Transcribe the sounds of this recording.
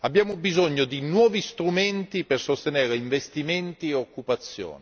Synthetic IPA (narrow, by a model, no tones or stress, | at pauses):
abjaːmobizɔɲːod̪inwɔːvist̪ɾumɛnt̪ipersost̪enɛːɾeiɱvest̪iment̪ieokːupat̪sːjo̰ːni